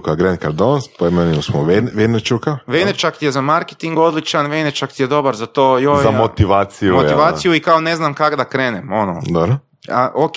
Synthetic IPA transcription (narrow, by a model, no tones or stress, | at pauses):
kaɡɾenkaɾd̪onspoemeniusmoʋeʋenet͡ʃukaʋejnet͡ʃakt̪ijezamaɾke̥t̪iŋɡo̞d̪lit͡ʃanʋejnet͡ʃakt̪ijed̪o̞baɾzat̪oːjojzamot̪iʋaːt̪sijumot̪iʋaːsijuikaone̞znamkaɡd̪akɾeːnemo̞no̰d̪obɾo | aʔok